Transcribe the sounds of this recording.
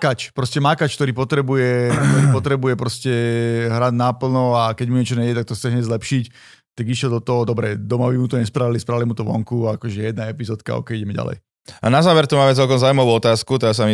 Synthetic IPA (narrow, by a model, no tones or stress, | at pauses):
kat͡ʃpɾɔscɛmakat͡ʃk̚t̪ɔɾiːpɔt̪ɾɛbujɛkt̪ɔɾiːpɔt̪ɾɛbujɛpɾɔscɛɦɾaɟnapl̩nɔakɛɟmuɲɛt͡ʃɔɲɛɛɛt̪ak̚t̪ɔst͡sɛɦɲɛzlɛpʃic | t̪aɡiʃjɛld̪ɔt̪ɔɦɔd̪ɔbɾɛd̪ɔmabimut̪ɔɲɛspɾaʋilispɾalimut̪ɔʋɔ̰ŋkuakɔʒɛjɛd̪naɛpizɔːt̪̚ka̰ɔ̰kɛjiɟɛmɛɟa̰lɛ̰j | a̰nazaːʋɛɾt̪umaːmɛt͡sɛlkɔmzaːuimaʋuːɔt̪aːskut̪̬ɔas̬ami